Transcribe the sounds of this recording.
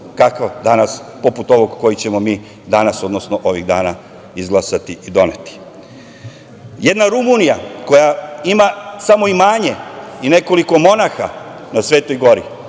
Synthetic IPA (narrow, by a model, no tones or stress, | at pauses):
kakʋad̪anaspo̞put̪o̞ʋo̞ɡko̞jit͡ɕe̞mo̞miː | d̪anaso̞d̪nosnoʔo̞ʋiɣd̪a̰ːna | izɡlˠasat̪iʔid̪o̞ne̞t̪i̥ | je̞d̪naɾumunijako̞jaimasamo̞imaːɲe̞ine̞ko̞liko̞mo̞naxa | nasʋe̞ːt̪o̞jɡo̞ɾi